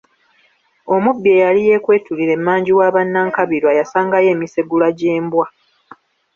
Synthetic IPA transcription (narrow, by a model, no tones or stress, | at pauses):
o̞mubːje̞jalije̞kwe̞ːtuliɾe̞mːaːɲɟiwaːβanːaŋkaβiɾwajasaːŋɡaje̞ːmiseɡulaɟe̞ːmbwa